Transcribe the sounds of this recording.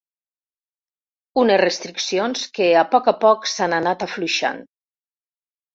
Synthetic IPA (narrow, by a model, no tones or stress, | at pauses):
unezrest̪ɾiksionskeapɔkapɔksananat̪afluʃa̰n